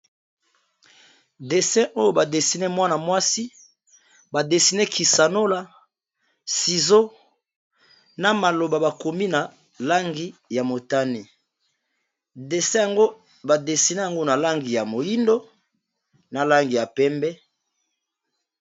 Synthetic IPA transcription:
de˨sɛ̃˦ʔo˦jo˦ba˨de˨si˨nɛ˦mwa˦na˨mwa˦si˦ | ba˨de˨si˨nɛ˦ki˨sa˨no˦la˦ | si˨zo˦ | na˨ma˨lo˨ba˨ba˨ko˨mi˦na˨ | la˦ŋɡi˨ja˨mo˨ta˦ni˨ | de˨sɛ̃˦ja˨ŋɡo˦ | ba˨de˨si˨nɛ˦ja˨ŋɡo˦na˨la˦ŋɡi˨ja˨mo˨ji˦ndo˦ | na˨la˦ŋɡi˨ja˨pɛ˦mbɛ˦

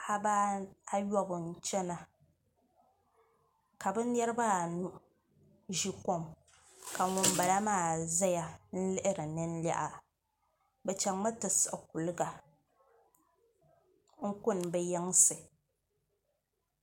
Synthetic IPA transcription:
a˦ba˦a˦jɔ˦bɨ˨n̩˦t͡ʃɛ˦na˨ | ka˨bɛ˦n̩˦ɛ˦ɾɨ˦ba˦˨nu˦ | ʒi˦ko˦m | ka˨ŋʊ˨m˦ba˨la˦maː˦˨za˦ja˨n̩˦lɨ˦ʔɪ˦ɾɨ˨nɨ˦n̩˦la̰˦ʔa˨ | bɛ˨t͡ʃa˨ŋma˦tɨ˨sɨ˨ʔk̚u˨lɨ˦ɡa˨ | ŋ̩˦kʊ˦˨n˨bɛ˦jɛ˦ŋ˦sɨ˨

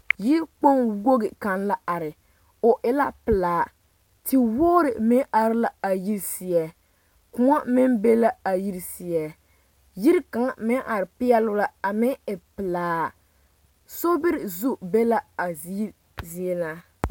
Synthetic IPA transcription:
ji˦ɾk͡po˦ŋwo˦ɡɪ˨ka˨nla˦ʔa˨ɾɪ˨ | ʊ˨ʔɪ˦la˦pɪ˨laː˨ | tɪ˨woː˦ɾɪ˨mɪ˦ʔa˨ɾɪ˦la˦a˨ji˦ɾsi˨ɛ˨ | kʊ˦ŋa˦mɪ˦nbe˦la˦a˨ji˦ɾsi˨ɛ˨ | ji˦ɾka˨ŋmɪ˦ʔa˨ɾɪ˨pɪ˦ɛ˦lʊ˦la˦a˨mɪ˦ɪ˨pɪ˨laː˨˦ | so˦bɪ˦ɾɪ˨zu˦be˦la˦a˨zi˦ | zi˦ɛ˦laː˦

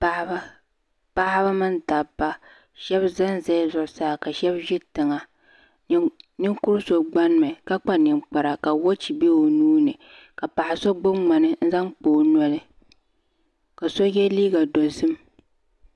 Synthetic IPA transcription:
pa˦hba˦ | pa˦ha˦ba˦mɨ˦nta˨ba˦ | ʃɛ˦bza˦nza˦zʊ˨ʔʊ˦saː˦˨ka˨ʃɛ˦bʒɪ˦tɨ˨ŋa˨ | nɨ˦ŋkʊ˦ɾso˨ɡ͡ba˦n˦mɨ˨ka˦k͡pa˦nɨ˨ŋk͡pa˨ɾa˨ka˨wo˦t͡ʃi˨be˦o˨nuː˦nɨ˨ | ka˨pa˨ʔɪ˨so˦ɡ͡bʊ˦mŋ͡ma˨nɨ˦n̩˦za˦ŋk͡poː˨nɔ˦lɨ˦ | ka˨so˦jɛ˦liː˦ɡa˨dɔ˨zɨ˦m

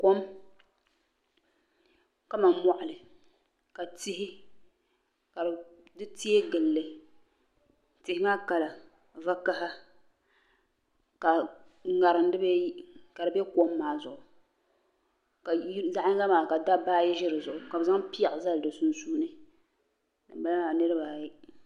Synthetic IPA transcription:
ko˦m | ka˦ma˨mɔ˨ʔʊ˨lɨ˨ | ka˨tɪ˦hɪ˦ | ka˨dɨ˦ti˦e˦ɡɨ˨lːɨ˨ | tɪ˨hɪ˦maː˦ka˨la˨ | va˦ka˦ɦa˦ | ka˨ | ŋa˨ɾɨ˨n˦dɨ˦bɛ˦ka˨dɨ˨bɛ˦ko˦mːaː˨zʊ˨ʔʊ˨ | ka˨˦za˦ʔɲɪ˦ŋa˦maː˨ka˨da˦baː˦jɛ˦ʒɪ˦ɾɨ˨zʊ˨ʔʊ˨ka˨bza˦ŋpi˦a˨ʔza˦ldɨ˨su˦nsuː˦nɨ˦ | dɨ˨m˦ba˦n˦a˨nɨ˦ɾɨ˦baː˨ji˦

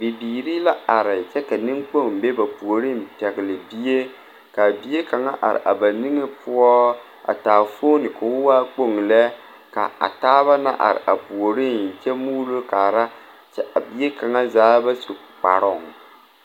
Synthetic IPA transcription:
bi˨biː˨ɾi˦la˦a˨ɾɪ˨t͡ʃɛ˦ka˨nɨ˦ŋk͡po˦˨ŋ˨be˦ba˨pu˨o˨ɾi˦n˨pɛ˨ɡɪ˨lɨ˨bi˦e˦ | ka˨bi˦e˦ka˨ŋa̰˦ʔa̰˨ɾɪ̰˨ʔa̰˨ba˨nɨ˦ŋe˦pʊ˦ɔ˦ | a̰˨taː˨fo˦nɨ˨ka˨ʊ˦waː˦k͡po˦˨ŋ˨lɛ˦ | ka̰˨a̰˨taː˦βa˦na̰˦ʔa̰˨ɾɪ̰˨ʔa˨pu˨o˨ɾi˦˨n˨t͡ʃɛ˦muː˦lo˦kaː˨ɾa˦ | t͡ʃɛ˦a˨bi˦e˦ka˨ŋa˦zaː˦ba˦so˨ | k͡pa̰˨ɾɔ˦˨ŋ

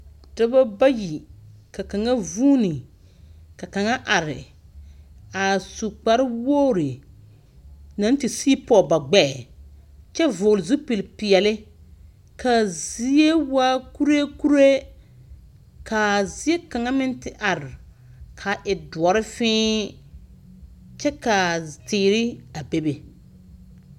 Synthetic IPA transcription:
d̥a˦ba˦ba˦ji˨ka˨ka˨ŋa˦vuː˦ni˨ | ka˨ka˨ŋa˦ʔa˨ɾɪ̰˨ | a˨su˨k͡pa˨ɾɪ˦wo˦˨ɾi˨ | na˨˦tɪ˨siː˦pɔ˦˨ba˨ɡ͡bɛ˦˨ | t͡ʃɛ˦vʊː˨lzu˦pi˨lpɪ˨ɛ˨lɪ˦ | ka˨zi˦e˦wa˦ku˦ɾe˦ku˦ɾe˦ | kʰa˨zi˦e˦ka˨ŋa˦mɪ˦ntɪ˨ʔa˨ɾɪ˨ | kʰa˨ʔɪ˨dʊ˨ɔ˨ɾɪ˦fɪ̃ː˦ | t͡ʃɛ˦ka˨tɪː˨ɾɪ˦a˨be˦be˨

